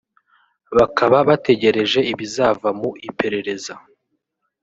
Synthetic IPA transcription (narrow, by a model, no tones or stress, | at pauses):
βakʰaβaβate̞ɟe̞ɾe̞ʒe̞iβizavamuipe̞ɾe̞ɾe̞za